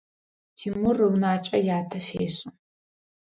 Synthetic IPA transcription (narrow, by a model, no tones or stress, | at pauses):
tʰiːmʊrɨwnaːt͡ʃʼɐjaːtʰɐχʲeːɕʼɨ